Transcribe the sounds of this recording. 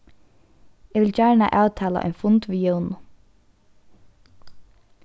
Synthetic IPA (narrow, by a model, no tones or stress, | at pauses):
ɛʋɪlt͡ʃæɹɳa̰ʔaːwt̪ʰaːla̰ʔœ̰jnfʊnt̪ʋijœwnʊ